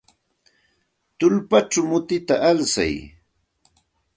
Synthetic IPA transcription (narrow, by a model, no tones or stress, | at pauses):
t̪ʊlpat͡ʃamʊt̪ɪt̪aʔalsa̰j